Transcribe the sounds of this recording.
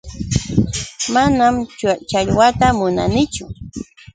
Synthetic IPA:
manamt͡ʃt͡ʃaʎwat̪amʊna̰nɪt͡ʃʊ

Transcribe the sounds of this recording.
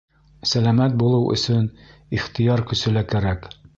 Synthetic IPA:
sælæmæt̪̚bulˠɤwʔɵ̰̆sɵniχt̪ijɑɾkɵ̆sɵ̆lækæɾæk

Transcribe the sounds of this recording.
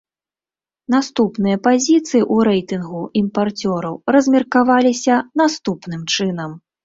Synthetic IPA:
n̪ast̪upnɨjɐpazʲit̪sɨjiʔuɾɛjt̪ɨnɣuimpart͡sʲɔɾɐwɾɐzʲmʲirkavalʲisʲɐnast̪upnɨmt͡ʂɨnɐm

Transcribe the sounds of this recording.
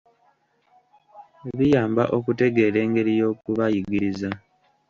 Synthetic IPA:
βijaːmba̰ʔo̞kute̞ɡe̞ːle̞ːŋɡe̞ɾijo̞ːkuβajiɡiɾiza

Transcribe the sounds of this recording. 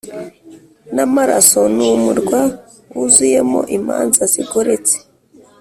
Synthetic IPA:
namaɾa̰sonumuɾɡwa | uzuje̞mo̰ʔima̰ːnzaziɡoɾet͡se̥

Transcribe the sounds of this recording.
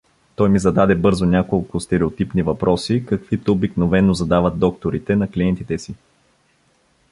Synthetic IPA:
t̪ɔjmizɐd̪ad̪ɛbɤɾzʊnʲakolˠkʊst̪ɛɾɛot̪ipnivɐpɾʔɔsikɐkvit̪oobiknovɛnːozɐd̪avɐt̪̚d̪ɔkt̪oɾit̪ɛnɐkliɛnt̪it̪ɛsi

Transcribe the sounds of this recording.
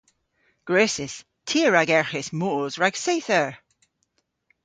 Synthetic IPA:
ɡ̥ɹøːsɪs | tʰiəɹaɡɛɹxɪsmoːzɹaɡ̥seθəɹ

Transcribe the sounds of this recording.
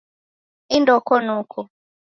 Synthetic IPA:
indɔkɔnukʰɔ

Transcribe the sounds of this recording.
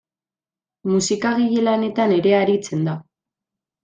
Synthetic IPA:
musikaɣiʎelane̞t̪ane̞ɾe̞aɾit͡se̞nd̪a

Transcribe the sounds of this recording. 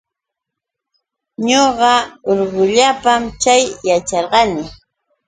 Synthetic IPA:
ɲoɢɑoɾɢʊʎapamt͡ʃajjat͡ʃɑɾɢɑnɪ

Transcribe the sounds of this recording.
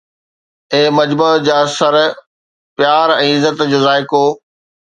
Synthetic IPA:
eːmɐd͡ʑbəd͡ʑaːsɐɾ | pjaːɾɛ̃ːɪzət̪d͡ʑoːzaːɪkoː

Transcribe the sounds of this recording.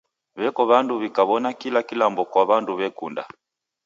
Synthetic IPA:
βɛkɔβanduβikaβɔnakilakilambɔkwaβanduβɛkunda̰

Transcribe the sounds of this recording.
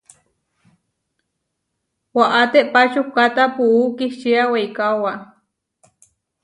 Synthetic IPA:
waʔat̪eʔpat͡ʃukat̪apuʔukiht͡ʃiawejkawa

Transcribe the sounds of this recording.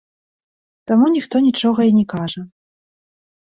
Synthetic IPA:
t̪amunʲixt̪ɔnʲit͡ʂɔɣɐjinʲɛkaʐɐ

